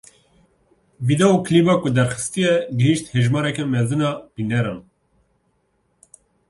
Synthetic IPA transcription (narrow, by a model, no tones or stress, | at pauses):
vid̪ɛukʰlibɑːkud̪ɛɾxɨ̥st̪ijɛɡɨhiʃt̪heʒmɑːɾɛkɛmɛzɨnɑːbinɛɾɑ̰ːn